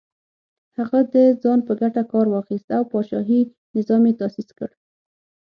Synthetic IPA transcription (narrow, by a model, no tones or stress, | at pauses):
haɣad̪əzɑnpəɡaʈakɑɾwɑxist̪awpɑʃɑ̰ɦi | nɪzɑmjet̪ɑsiskə̰ɽ